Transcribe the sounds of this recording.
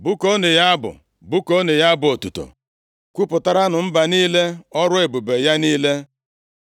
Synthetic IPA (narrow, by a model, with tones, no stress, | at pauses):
bʊ˦ko˦ne˨ja˦bʊ̰˨ | bʊ˦ko˦ne˨ja˦bʊ˨o˨tu˨to̰˨ | kʷu˦pʊ˨ta˦ɾa˦nʊ˨m̩˦ba˨niː˦le˦ɔ˦ɾʊ˦e˨bu˨be˨ja˦niː˦le˦